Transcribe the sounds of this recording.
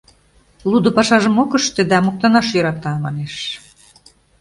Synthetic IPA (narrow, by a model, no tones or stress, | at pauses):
lˠud̪ŏpɑʃɑʒəmokəʃt̪ed̪ɑmok̚t̪ɑnɑʃjøɾɑt̪ɑmɑneʃ